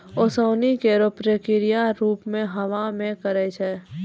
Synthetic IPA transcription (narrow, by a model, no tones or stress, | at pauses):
osoːnikeɾopɾekɪɾijaɾuːpmẽɦəʋamẽkəɾɛt͡ʃʰɛː